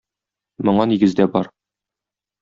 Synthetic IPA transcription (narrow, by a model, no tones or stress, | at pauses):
mŏɴɑniɡɘ̆zd̪æbɒɾ